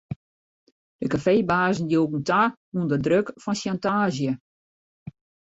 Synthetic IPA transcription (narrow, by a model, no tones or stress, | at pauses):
d̥əkafeːbaːzn̩djoːɡŋ̩ta | undədrøkfɔnsjantaːzjə